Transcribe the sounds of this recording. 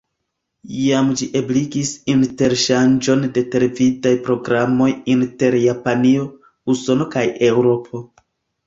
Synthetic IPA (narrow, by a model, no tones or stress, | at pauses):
jamd͡ʒiʔeblikisinte̞ɾʃand͡ʒo̞nde̞te̞ɾevidajpɾo̞ɡɾamo̞jinte̞ɾjapanio̞ | uso̞no̞kaje̞wɾo̞pʰo̞